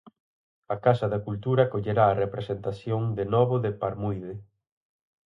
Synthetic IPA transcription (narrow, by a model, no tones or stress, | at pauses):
ɐkasɐðɐkult̪uɾɐkoʎeɾaːrepɾesent̪aθjoŋd̪enɔβoðɪpaɾmujðɪ